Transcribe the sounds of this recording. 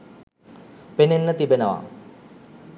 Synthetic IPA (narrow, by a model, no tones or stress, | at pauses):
penenːət̪ibenəʋa̰